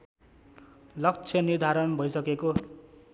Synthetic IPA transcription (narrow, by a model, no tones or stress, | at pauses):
lʌkt͡sʰjʌnird̪ʱaɾʌnbʱʌjsʌkeko